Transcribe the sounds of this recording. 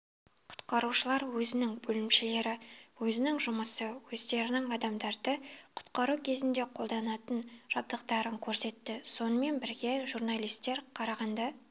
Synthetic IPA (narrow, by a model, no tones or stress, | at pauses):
qʰʊ̥t̪qɑɾuʃəlˠɑɾwɵzɪnɪŋbɵlɪmʃɪle̞ɾɪwɵzɪnɪŋʒʊməsəwɵzd̪e̞ɾɪnɪŋɑd̪ɑmd̪ɑɾd̪əqʰʊ̥t̪qɑɾukʲʰe̞zɪnd̪e̞qʰo̞lˠd̪ɑnɑt̪ənʒ̥ɑb̚d̪əqt̪ɑɾəŋkʲʰɵɾse̞t̪ːɪso̞nəme̞nbɪɾɡʲe̞ʒurnɑlˠijst̪ːe̞ɾqʰɑɾɑʁɑnd̪ɑ